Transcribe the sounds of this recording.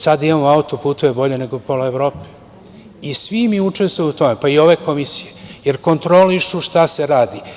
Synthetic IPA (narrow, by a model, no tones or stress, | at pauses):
sad̪imamoaut̪opuːt̪uʋebo̞ʎe̞ne̞ɡopoloeʋɾo̞ːpe̥ | isʋimiut͡ʃe̞st̪ʋujuut̪o̞me̞paio̞ʋe̞ko̞misije̞je̞ɾko̞nt̪ɾo̞liʃuʃt̪ase̞ɾaːd̪i